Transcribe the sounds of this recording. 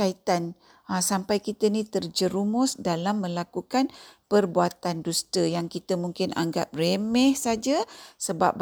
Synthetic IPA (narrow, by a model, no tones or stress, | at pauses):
ait̪an | sampajkit̪ənĩt̪ərd͡ʒəɾumʊsdalamːə̃lakukanpərbuat̪andust̪əjaŋkit̪əmũŋkɪna̰ŋɡa̰p̚remɛhsad͡ʒasəba̰p̚b